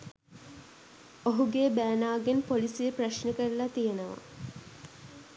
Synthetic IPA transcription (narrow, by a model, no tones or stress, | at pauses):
oɦuɡeːbæːnaːɡenpolisiəpraʃnəkəɾlat̪ijenəʋa̰